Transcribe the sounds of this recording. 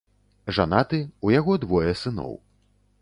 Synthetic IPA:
ʐa̰nat̪ɨujaɣɔd̪vɔjɛsɨnɔ̰w

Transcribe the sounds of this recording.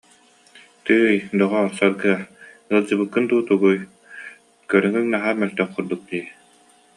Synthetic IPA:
t̪ɯːjd̪ɔʁɔɾsaɾɡɯɐ | ɯlˠd͡ʑɯbɯkːɯnt̪uːt̪uɡuj | kœɾœŋyŋnaɦaːmœlʲt̪œŋquɾd̪uk̚t̪iː

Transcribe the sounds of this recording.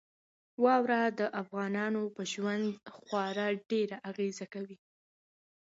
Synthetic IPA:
wɑwɾad̪əʔafɣɑnɑnopəʒwand̪xwɑɾɑɖeɾaʔaɣezakawi

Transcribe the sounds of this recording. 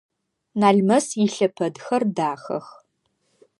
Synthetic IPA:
naːɮmɐsjɪɬɐpʰɐdxɐrdaːxɐ̰x

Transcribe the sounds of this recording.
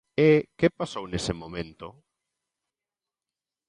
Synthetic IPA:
ekepasownesɪmõmẽnt̪ʊ

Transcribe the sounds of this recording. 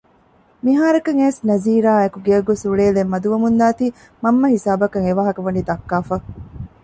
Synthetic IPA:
miɦaːɾɐkɐŋeːsnɐziːɾaːekuɡeɐɡosuɭeːlemːɐd̪uʋɐmund̪aːt̪iː | mɐmːɐhisaːbɐkɐŋeʋaːɦɐkɐʋɐniːd̪ɐkːaːfɐ

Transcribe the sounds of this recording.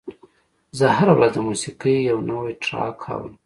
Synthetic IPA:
zəɦaɾawɾazd̪əmusiqəjjawnawijʈʰɾɑ̰kʰa̰wəm

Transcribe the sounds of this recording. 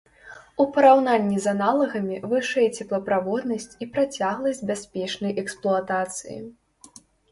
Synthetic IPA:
upɐɾawnanʲːizanalˠɐɣɐmʲivɨʂɛjɛt͡sʲɛplˠɐpɾavɔd̪nɐsʲt͡sʲipɾat͡sʲaɣlˠɐsʲdʲbʲasʲpʲɛt͡ʂnɐjʔɛksplˠuat̪at̪sɨ̰jḭ

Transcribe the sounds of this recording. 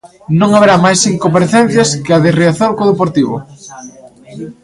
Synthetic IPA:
nõŋaβeɾamajsiŋkompaɾeθɛn̟θjɐskɪaðereaθoɾkoðepoɾt̪iβʊ

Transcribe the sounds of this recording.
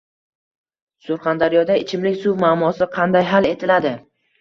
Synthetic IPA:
sʊɾχɑnd̪aɾijɒd̪aɪt͡ʃʰɪmlɪkʲsuwmaːmɒsɪqʰɑnd̪ajɦale̞t̪ʰɪlad̪ɪ

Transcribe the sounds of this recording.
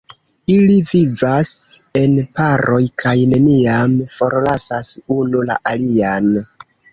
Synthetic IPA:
ilivivase̞npaɾo̞jkʰajne̞niamfo̞ɾlasasunula̰ʔalian

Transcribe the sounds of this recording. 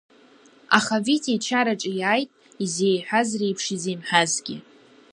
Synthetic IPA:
aχavitʰet͡ʃʰaɾaʈ͡ʂʼijajtʼ | izeːjħʷᶣazrejpʰʂizenħʷᶣazɡʲɪ

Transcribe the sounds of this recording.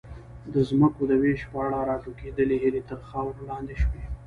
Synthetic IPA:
d̪əzməkod̪əweʃpəaɽɑɾɑʈoked̪əleɦilet̪əɾxawɾlɑnd̪eʃwe

